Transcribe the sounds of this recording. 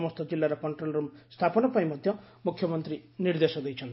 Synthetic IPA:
mʌst̪ʌd͡zilːaɾʌkʌɳʈrolrumst̪ʰapʌnʌpaĩmʌd̪ʱjʌ | mukʰːjʌmʌnt̪rinird̪esɔd̪ʌjt͡sʰʌn

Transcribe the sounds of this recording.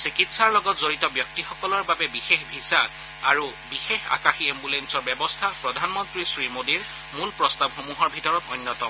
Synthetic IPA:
sikitsaɹlɔɡɔtzoɹitɔbjɔk̚tixɔkɔlɔɹbabɛbixexbʱisaː | ɹubixexa̰kaxiembulensɔɹbɛbɔstʰapɹɔdʱanmɔntɹisɹimodiɹ | mulpɹɔstabxomuɦɔɹbʱitɔɹɔtɔjnːjɔtɔm

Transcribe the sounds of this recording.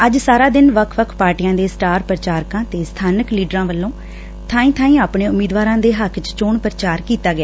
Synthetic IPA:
əd͡ʒsaːɾaːd̪ɪnʋəkʰʋəkʰpaːɾʈijãːd̪eːsʈaːɾpɾət͡ʃaːɾkãːt̪eːst̪ʰaːnəkliːɖɾãːʋəlːõː | t̪ʰãːĩːt̪ʰaːĩːaːpɳẽːʊmiːd̪ʋaːɾãːd̪eːɦəkʰt͡ʃt͡ʃoːɳpɾət͡ʃaːɾkiːt̪aːɡɪaː

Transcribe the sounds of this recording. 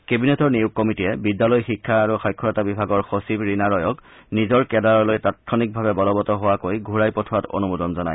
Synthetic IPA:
kebinɛtɔɹnijukːɔmitiɛbidːalɔjxikʰːaːɹuxɔjkʰːɔɹɔtabibʱaɡɔɹxosibɹinaɹɔjɔknizɔɹkɛdaɹɔlojtat̚kʰɔnik̚bʱabɛbɔlɔbɔtɔɦowakojɡʱuɹajpɔtʰato̰numudɔnzɔna̰j

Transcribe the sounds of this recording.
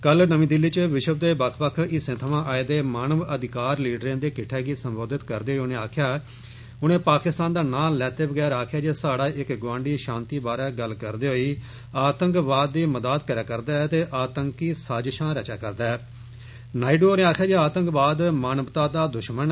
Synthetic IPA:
kəlnəmĩːd̪ɪlːiːt͡ʃʋɪʃəbd̪eːbəkʰpəkʰɪsẽːt̪ʰəʋãːʔaːed̪eːmaːnəʋəd̪ɪkaːɾliːɖɾẽːd̪eːkɪʈʰːɛːɡiːsəmboːd̪ɪt̪kəɾd̪eːɦoːnẽːaːkʰjaː | ʊnẽːpaːkɪst̪aːnd̪aːnaːlːɛːt̪eːbəɡɛːɾaːkʰjaːd͡ʒeːsaːɽaːʔɪkɡʋãːɳɖiːʃãːnt̪iːbaːɾɛːɡəlkəɾd̪eːɦoːiː | aːt̪əŋkʋaːd̪ːiːməd̪aːt̪kəɾjaːkəɾd̪aːt̪eːʔaːt̪əŋkiːsaːd͡ʒʃãːɾɛːt͡ʃaːkəɾd̪aː | naːiɖoːoːnẽːaːkʰjaːd͡ʒeaːt̪əŋkbaːd̪maːnəʋt̪aːd̪aːd̪ʊʃmən

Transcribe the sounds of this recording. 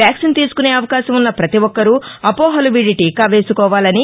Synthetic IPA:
jaːksint̪iːsu̥kune̞ːɐʋɐkaːʃɐmunːɐpɾɐt̪iʋɔkːɐɾuɐpoːɦɐliʋiɖiʈikaːʋeːsukɔːʋaːlɐni

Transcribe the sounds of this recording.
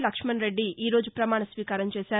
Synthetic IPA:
lɐkʂmɐnɾeɖːiʔiːɾoːd͡ʒupɾɐmaːɳɐsʋiːkaːɾɐmt͡ʃeːsaː

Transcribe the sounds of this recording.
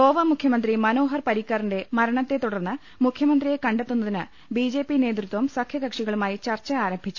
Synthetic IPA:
o̞ːʋɐmukʰjɐmɐnd̪rimɐno̞ːɦɐrpɐɾikːɐrinde̞mɐɾɐɳɐt̪ːe̞t̪uɽɐrnːɨ | mukʰjɐmɐnd̪rije̞kɐɳɖet̪ːunːɐðinɨ | bid͡ʑe̞ːpːineːt̪rut̪ʋɐmsɐkʰjɐɡɐkʂiɣɐɭumaːjit͡ɕɐrt͡ɕːɐaːɾɐmbʱit͡ɕːu̥

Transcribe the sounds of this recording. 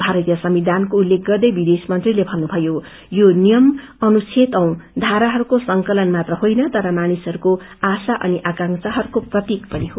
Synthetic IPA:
bʱaɾʌt̪jʌsʌmbid̪ankoulːek̚ɡʌrd̪ʌjbid̪esmʌnt̪rilebʱʌnːubʱʌjo | jonijʌm | ʌnut͡sʰet̪ʌw̃d̪ʱaɾaɦʌɾukosʌŋkʌlʌnmat̪rʌɦojnʌt̪ʌɾʌmanisʌɾuko | asaʔʌ̰niʔakaŋsaɦʌɾukoprʌt̪ikpʌniɦo

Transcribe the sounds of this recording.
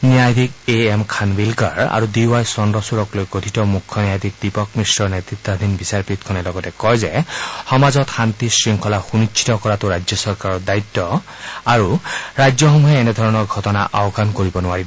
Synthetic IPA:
nijajd̪ʱik̚eemkʰanbilka̰ɹa̰ɹudiwajsɔndɔsuɹɔklojɡotʰitɔmukʰːɔnijajd̪ʱik̚dipɔkmisɹɔɹnet̪ɹit̪ːɔd̪ʱinbisaɹpɹit̪kʰɔnɛlɔɡɔtɛkɔjzɛxɔmazɔtxant̪isɹiŋkʰɔlaxunit͡ʃʰi̥tɔkɔɹatʊɹajd͡ʒzjɔsɔɹkaɹɔɹdait̪ːɔ | aɹuɹajd͡ʒzjɔxɔmuɦɛːnɛd̪ʱɔɹɔnɔɹɡʱɔtɔnaʔaɔɡʰankoɹibɔnʊaɹib

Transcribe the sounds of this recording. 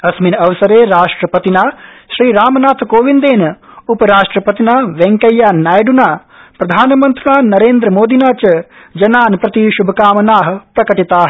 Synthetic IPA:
ɐsminɐʋɐsɐɾeːɾaːʂʈɾɐpɐt̪inaːʃɾiːɾaːmɐnaːt̪ʰkoːʋind̪eːnupɐɾaːʂʈɾɐpɐt̪inaːʋeŋkɐjːaːnaːjɖunaː | pɾɐd̪ʱaːnɐmɐnt̪unaːnɐɾeːnd̪ɾɐmoːd̪inaːt͡ʃɐ | d͡ʒɐnaːnpɾɐt̪iʃubʱɐkaːmɐnaːɦɐ̆pɾɐkɐʈit̪aːɦɐ

